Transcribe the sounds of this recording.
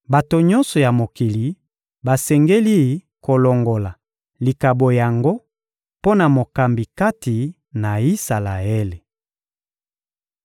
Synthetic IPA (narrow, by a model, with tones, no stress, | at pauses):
ba˨to˨ɲɔ˦nsɔ˨ja˨mo˨ki˨li˨ | ba˨sɛ˨ŋɡe˦li˦ | ko˨lɔ˨ŋɡo˨la˨ | li˨ka˨bo˨ja˨ŋɡo˦ | po˦na˨mo˨ka˨mbi˨ka˦ti˨ | na˨i˦sa˨la˨e˦le˨